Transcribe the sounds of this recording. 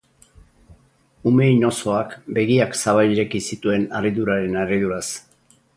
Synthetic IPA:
ume̞jno̞so̞akbe̞ɣiaksaβajiɾekisit̪ue̞nariðuɾaɾe̞nariðuɾas

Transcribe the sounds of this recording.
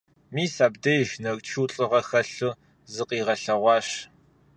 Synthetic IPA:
miːsaːbdɐjʒnɐrt͡ʃʰuːɬʼɨʁɐxɐɬɨ | zɨqʼiːʁɐɬɐʁʷɑːɕ

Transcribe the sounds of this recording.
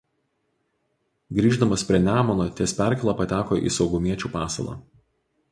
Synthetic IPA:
ɡɾʲiːʒd̪ɐmɐspʲɾʲiɛnʲæːmɐnoːt̪ʲiɛsʲpʲæˑɾʲkʲɛlˠɑːpɐt̪ʲæːkoːʔḭːsɒʊɡʊmʲiɛt͡ʃʲuːpɑːsɐ̰lˠɑ̰ː

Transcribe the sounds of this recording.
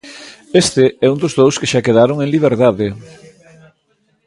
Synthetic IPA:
est̪eɛund̪ozðowskeʃakeðaɾoŋeŋliβ̞eɾðaðe

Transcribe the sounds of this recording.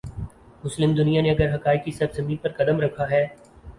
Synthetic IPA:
mʊslɪmd̪ʊnijaneɐɡəɾɦɐkaːɪk̚kisɐbzɐmĩːnpɐɾkɐd̪əmɾɐkʰaɦɛː

